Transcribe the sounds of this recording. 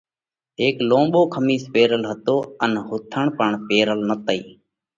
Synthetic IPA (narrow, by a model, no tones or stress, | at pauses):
ɦeːklõːmɓoːkʰəmiːspeːɾəlɦət̪oːənɦʊt̪ʰəɳpəɳpeːɾəlnət̪əḭː